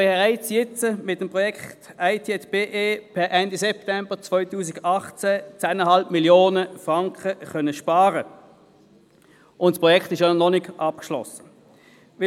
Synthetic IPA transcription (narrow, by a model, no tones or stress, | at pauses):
beʁaɪt͡sjɪt͡səmɪt̚ːəmpʁɔjɛkχtaɪtʰiɛtb̥eʔeːpʰɛʔɛndisɛp̚tɛmb̥ət͡svɔʏtuːs̬ɪɡɑχt͡sɛt͡sæːnəhɑlpmiljoːnəfʁɑŋkχəχœnəʃpɑːʁə | ʔʊntspʁɔjɛkχtɪʃjonɔnɪɡʔɑp̚kʃlɔ̰sə̥ | vɪ